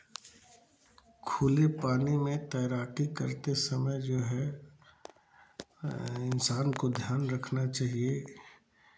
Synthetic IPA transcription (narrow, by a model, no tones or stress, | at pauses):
kʰuːlepaːnimẽt̪ɛːɾaːʈikəɾt̪esɐməjd͡ʒoːɦɛ | ɪnsaːnkod̪ʱjaːnɾɐkʰnat͡ʃaːɦie